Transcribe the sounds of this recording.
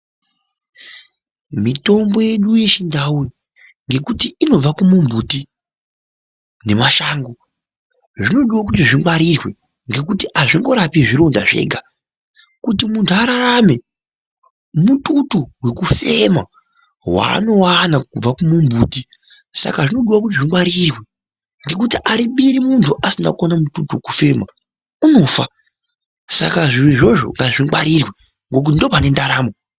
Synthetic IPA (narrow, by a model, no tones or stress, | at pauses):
mito̞mbo̞je̞ɗuje̞t͡ʃindaui | ŋɡe̞kutiino̞b͡vakumumbuti | ne̞maʃaːŋɡo | ʐino̞ɗiwak̬utiʐimwaɾirwe̞ | ŋɡe̞kutiʔaʐiŋɡo̞ɾapiʐiɾondaʐe̞̰ːɡʱa | kutimuntʰuaɾaɾame̞ | mututuwe̞kufe̞ma | wa̰ːno̞wanakub͡vakumumbuːti | sa̰kaʐino̞ɗiwak̬utiʐiwaɾirwe | ŋɡe̞kutiʔaɾiɓiɾimuntʰuʔasina̰kuwanamututuwekufe̞ma | uno̞ːfa | sa̰kaʐiwiʐo̞ʐo̞̰ŋɡaʐiŋwaɾirwe | ŋɡo̞k̬utindopane̞ndaɾaːmo